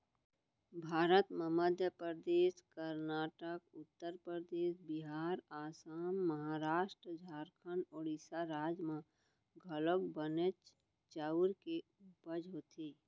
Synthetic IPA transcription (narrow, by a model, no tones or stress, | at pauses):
bʱaːɾət̪mẽməd̪ʱjəpɾəd̪eːskəɾnaːʈəkʊt̪ːəɾpɾɾəd̪eːsbɪɦaːɾaːsaːmːəɦaːɾaːʃʈɾəd͡ʒʱaːɾkʰənɔːɾɪsaɾaːd͡ʒmã | ɡʱələkbənət͡ʃ | t͡ʃaɾke | upəd͡ʒɦoːt̪ʰiː